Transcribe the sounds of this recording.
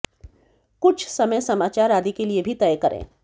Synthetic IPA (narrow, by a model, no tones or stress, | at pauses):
kʊt͡ʃʰsɐməjsɐmaːt͡ʃaːɾaːd̪ikeliebʱit̪ɛjkɐɾʔḛ̃ː